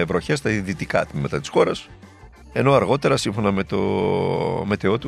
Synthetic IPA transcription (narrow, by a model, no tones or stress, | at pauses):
evɾo̞çest̪ɐiðit̪ikɐt̪mimet̪ɐt̪i̥sxo̞ɾɐs | e̞no̞ɐɾɣo̞t̪e̞ɾɐsiɱfo̞nɐmet̪o̰ | me̞t̪eo̞t̪u